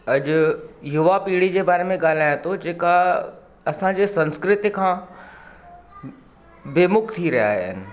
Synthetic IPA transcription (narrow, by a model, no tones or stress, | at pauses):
ɐʄʊjʊʋapiːɽid͡ʑeːbaːɾemẽɠaːl̤aːjẽt̪ʰod͡ʑeːka | ɐsãd͡ʑeːsɐ̃nskɾɪt̪ikʰãː | beːmʊkt̪ʰiɾɐja̰ːɦɪ̰nɪ̆